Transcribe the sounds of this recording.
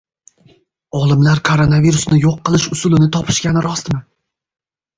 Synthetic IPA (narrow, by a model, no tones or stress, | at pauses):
ɒlˠɪmlaɾkʰoɾonaviɾʊsnɪjoqʰːɨlˠɪʃʊsʊlɪnɪt̪ʰɒpʰɪ̥ʃkʲanɪɾɒst̪mɪ